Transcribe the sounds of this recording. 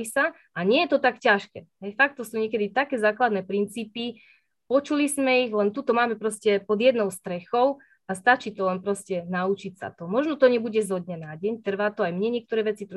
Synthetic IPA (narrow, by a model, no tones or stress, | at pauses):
isa | aɲɪɛjɛt̪ɔt̪akcaʃkɛ̰ːɦɛjfakt̪ːɔsuːɲɛk̬ɛd̪it̪akɛːzaːklad̪nɛːpɾint͡siːpi | pɔt͡ʃulizmɛiɣlɛnt̪ut̪ɔmaːmɛpɾɔscɛpɔd̪jɛd̪nɔʊst̪ɾɛxɔʊ | ast̪at͡ʃiːt̪ɔlɛnpɾɔscɛnaut͡ʃicsa̰t̪ɔmɔʒnɔt̪ɔɲɛbuɟɛzɦɔd̪̚ɲɛnaɟɛɲt̪r̩ʋaːt̪ɔajmɲɛɲɪɛk̚t̪ɔɾɛːʋɛt͡sit̪